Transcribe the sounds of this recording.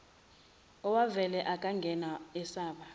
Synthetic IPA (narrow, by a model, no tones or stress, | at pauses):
ɔwavɛlɛʔakʼaŋɡʱɛnaɛsaːɓa